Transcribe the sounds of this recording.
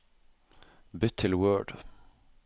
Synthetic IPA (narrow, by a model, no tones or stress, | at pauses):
bʏt̪ʰːɪlwɜːɖ